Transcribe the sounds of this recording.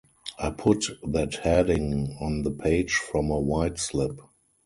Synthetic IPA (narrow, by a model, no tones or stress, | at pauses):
ʔaɪpʰʊtðæthɛdɪ̃ŋɔ̃nðəpʰeɪd͡ʒfɹɔ̃məwaɪtslɪp